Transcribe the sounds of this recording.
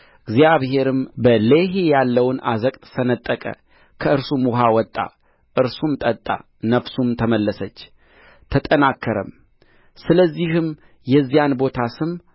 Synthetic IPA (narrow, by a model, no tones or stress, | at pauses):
ɨɡzijaβɦe̞ɾɨmbəleɦijalːəwna̰zəkʼt̪ʼsənət̪ʼːəkʼə̰ | kʰəɨɾsumwʊɦawɔt̪ʼːa̰ | ʔɨɾsumt̪ʼət̪ʼːa̰ | nəfsumt̪ʰəməlːəsət͡ʃː | t̪ʰət̪ʼənakʰːəɾə̰m | sɨləzːihɨm | jɛzːijanbo̞t̪ʰasɨm